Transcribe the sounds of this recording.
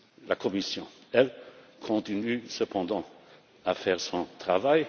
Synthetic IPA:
lakʰɔmisjɔ̃ɛlkʰɔ̃t̪inysəpʰɑ̃d̪ɑ̃ | afɛːʁsɔ̃t̪χavaj

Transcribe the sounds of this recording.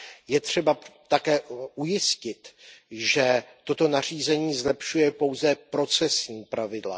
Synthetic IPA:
jɛt̪r̝̥ɛbat̪akɛːʔujɪscɪt̪ʒɛt̪o̞t̪o̞nar̝iːzɛɲiːzlɛpʃujɛpo̞wzɛpɾo̞t͡sɛsɲiːpɾavɪdla̰

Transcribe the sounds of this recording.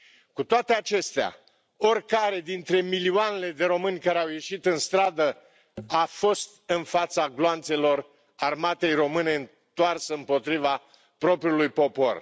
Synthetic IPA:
kut̪oat̪e̞at͡ʃe̞st̪ea̰ | o̞rʲkaɾe̞d̪int̪ɾe̞milioane̞le̞d̪e̞ɾo̞mɨnʲkaɾeawje̞ʃit̪ɨnst̪ɾad̪ə | afo̞st̪ɨnfat̪saɡloant̪se̞lo̞r | armat̪e̞jro̞mɨne̞ɨn | t̪oarsəɨmpo̞t̪ɾiva | pɾo̞pɾʲiulujpo̞po̞̰r

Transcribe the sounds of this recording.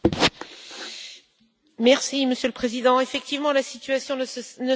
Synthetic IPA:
mɛʁsiməsjøləpχezid̪ɑ̃efɛk̚t̪ivmɑ̃lasit̪yasjɔ̃nə

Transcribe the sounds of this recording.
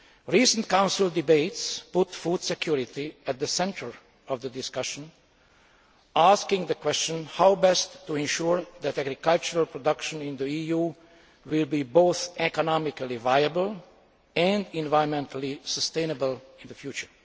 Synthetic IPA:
ɹisə̃ntkãʊ̃nsɪlˠdɪbeɪtspʊtfud̥sɛkʰjuɹɪt̪iæt̪̚ðəsɛ̃ntʰə˞ | ɔvðədɪskʌʃə̃n | askɪ̃ŋðəkwɛst͡ʃə̃nhaʊbɛstːuɛ̃nʃuɹðætæɡɾikalt͡ʃəɹalpʰɹɔdʌkʃə̃nɪ̃nðəijuː | wɪlbiboʊθɛkɔnɑmɪkalivajəbəlˠ | ɛ̃ndɪ̃nvaɪə̃nmɛ̃ntʰəlisəst̪ẽɪ̃nəbəlˠɪ̃nðəfjuːt͡ʃə˞

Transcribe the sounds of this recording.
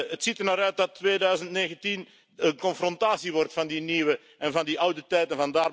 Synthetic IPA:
ətsitərnaɾœɥt̚dɑtːʋeːdœɥzəntneːɣəntin | ənkɔnfrɔntaːsiʋɔrtfɑndiniwə | ɛnvɑndiʔʌwdətɛjtənvɑndaːr

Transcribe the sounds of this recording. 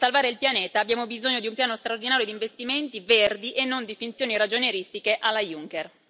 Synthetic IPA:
salvaːɾeilpjaneːt̪aːbjaːmobizoɲːod̪iumpjaːnost̪ɾaord̪inaːɾjod̪iɱvest̪iment̪iverd̪iʔenːond̪ifint̪sjoːniɾad͡ʒoneɾist̪ikeʔalːajuŋker

